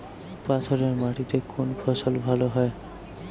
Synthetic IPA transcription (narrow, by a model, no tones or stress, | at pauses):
pat̪ʰoɾeɾmaʈit̪ekʰonpʰɔsolbʱaloɦɔe